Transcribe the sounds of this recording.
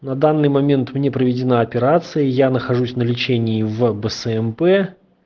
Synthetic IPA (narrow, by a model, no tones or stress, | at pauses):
nɐd̪anːɨjmɐmʲe̞nt̪mnʲe̞pɾəvʲɪdʲɪnaɐpʲɪɾat̪sɨjəjanəxɐʐusʲnəlʲɪt͡ɕenʲɪːvbəsəɛmpɛ